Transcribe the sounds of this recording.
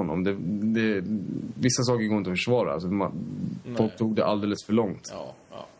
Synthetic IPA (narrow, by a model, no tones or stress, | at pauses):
ɔnːɔ̰md̪ɛd̪ɛ | vɪsːas̬ɑːkəɾɡoːɾɪnt̪ɔfə̥ʂvɑːɾaa̰lsɔmafɔlk̚t̪ʰuːɡ̚d̪ɛʔa̰ld̪eːləsfœɭɔŋt̪